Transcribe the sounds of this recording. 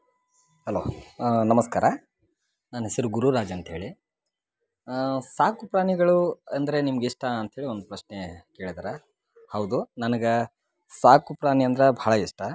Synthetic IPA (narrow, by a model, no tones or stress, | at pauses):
hɐlo̰ːnɐmɐskaːɾɐ | naːnɦesɐɾuɡuɾuɾaːd͡ʒiɐnt̪ɦe̞ːɭi | saːkupɾaːniɡɐɭuɐnd̪ɐɾe̞nimɐɡiʂʈɐɐnt̪ɦeːɭio̞nd̪upɾɐʃnekeːɭid̪aːɾɐ | hɐwd̪unɐnɐɡe | saːkupɾaːniɐnd̪ɐɾebʱaːɭɐiʂʈɐ